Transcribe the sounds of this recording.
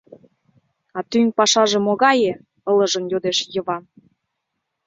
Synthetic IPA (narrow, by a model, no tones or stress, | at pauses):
ɑt̪yŋʲpɑʃɑʒĕmoɣɑjĕ | ɤ̆lɤ̆ʒə̆njod̪eʃjə̆βɑn